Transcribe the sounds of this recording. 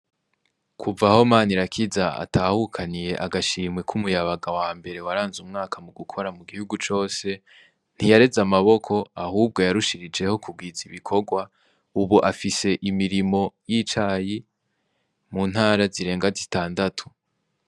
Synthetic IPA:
kʰuvaho̞maːniɾakʰizaa̰tʰaːhukʰanije̞ʔaɡaʃiːmŋwe̞kʰumujaβaɡawaːmbe̞ɾe̞waɾaːnzumŋaːkʰamuɡukʰo̞ɾamuɡihuɡut͡ʃo̞ːse̞ | n̥hijaɾe̞zamaβo̞kʰo̞aɦuːb̚ɡo̞jaɾuʃiɾid͡ʒe̞ho̞kʰub̚ɡiːziβikʰo̞ɡwa | uβuʔafise̞ʔimiɾimo̞jit͡ʃaji | muːn̥haːɾaziɾe̞ːŋɡazitaːndatʰu̥

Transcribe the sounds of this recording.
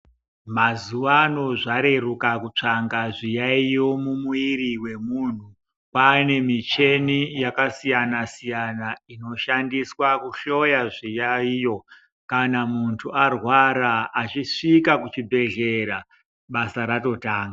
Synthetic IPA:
mazuʋano̞ʐaɾe̞rukakut͡ʂaŋɡaʐijaijo̞mumuiɾiwe̞muːn̤u | pane̞mit͡ʃe̞nijakasijanasijanaino̞ʃandiswakuɬo̞jaʐijaijo̞ | kanamuntʰuarwaɾaːt͡ʃiʂikakut͡ʃibʱe̞ɮe̞ɾa | ɓasaɾato̞taːŋɡa

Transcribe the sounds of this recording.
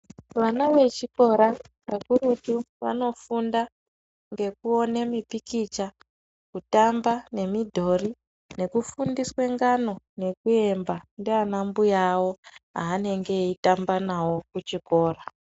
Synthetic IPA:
ʋanaʋe̞t͡ʃiko̞ɾa | ʋakuɾutu | ʋa̰no̞funda | ŋɡe̞kuo̞ne̞mipikit͡ʃa | kutambane̞midʱo̞ri | ne̞kufundiswe̞ŋɡano̞ne̞kue̞mbandeanambujawo̞ɦa̰ːne̞ŋɡe̞itambanawo̞kut͡ʃiko̞ːra

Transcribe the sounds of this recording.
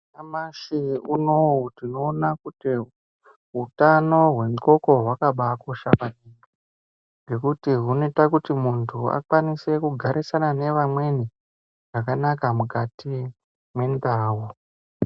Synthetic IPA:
namaʃiunoutino̞ːnakuti | ɦutano̞ɦwe̞mko̞ko̞ɦwakaɓako̞ʃapaniŋi | ŋɡe̞kutiɦunetakutimuntʰua̰kwanise̞kuɡʱaɾisanane̞ʋamwe̞ni | ʐ̥akanakamukati | mwe̞ndaːwo

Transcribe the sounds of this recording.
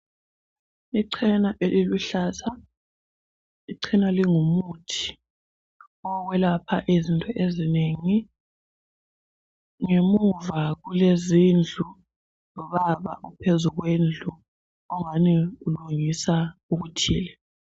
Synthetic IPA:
iǀʰɛnaʔeliluɬaza | iǀʰinaliŋumutʰi̥ | ɔɣwɛlapʰa̰ʔezintʼɔʔezineŋi | ŋemuvaɣulezind͡ɮʱu | lɔβaβa̰upʰezuɣwend͡ɮʱu | ɔŋaniuluŋisauɣutʰḭːlɛ

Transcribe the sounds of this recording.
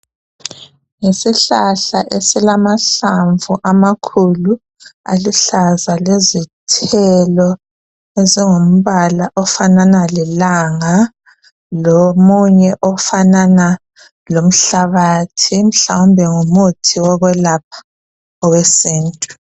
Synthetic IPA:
ŋesiɬaɬaʔesilamaɬaɱvuʔamakʰulu | a̰liɬazalezitʰɛlɔ | eziŋom̩βalaʔɔfananalɛlaŋa | lomuɲɛʔɔfanana | lom̩ɬaβatʰim̩ɬawumbʱɛŋomutʰiwɔɣwɛlap̚ʰḁ | ɔɣwɛsiːntʼu̥

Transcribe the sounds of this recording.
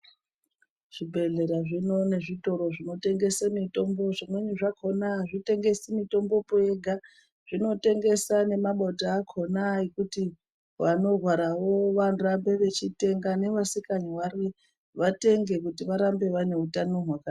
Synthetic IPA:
ʐ̥ibʱe̞ɮe̞ɾaʐino̞ne̞ʐito̞ɾo̞ʐino̞te̞ŋɡe̞samito̞mbo̞ʐanweɲeʐakʰo̞naʐite̞ŋɡe̞simito̞mbo̞poe̞ɡʱa | ʐ̥ino̞te̞ŋɡe̞sane̞maɓotaːkʰo̞naikuti | ʋano̞rwaɾawo̞ʋanurambe̞ʋe̞t͡ʃite̞ŋɡane̞ʋasikaɲiwari | ʋate̞ŋɡe̞k̬utiʋaɾambe̞ʋane̞utanoɦwaka

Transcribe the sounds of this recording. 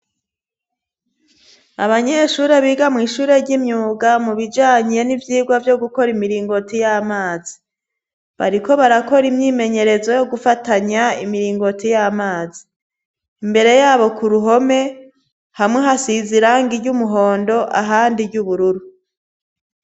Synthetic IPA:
aβaɲeʃuːɾe̞βiːɡamŋiːʃuːɾe̞ɾɟimɲuːɡamuβid͡ʒaːɲe̞nivjiːɡwavjo̞ɡuko̞ɾimiɾiːŋɡo̞tijaːmaːzi̥ | βa̰ɾiko̞βaɾako̞ɾimɲiːme̞ɲe̞ɾe̞zo̞jo̞ɡufataɲaimiɾiːŋɡo̞tijaːmaːziː | mbe̞ɾe̞jaːβo̞kuɾuɦo̞me̞ | hamŋeɦasiziɾaŋɡiɾɟumuɦo̞ːndo̞ʔa̰ɦaːndiɟuβuɾuɾu

